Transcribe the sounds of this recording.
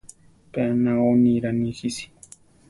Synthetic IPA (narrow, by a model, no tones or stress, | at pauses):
peanãonĩɾanĩxisi̥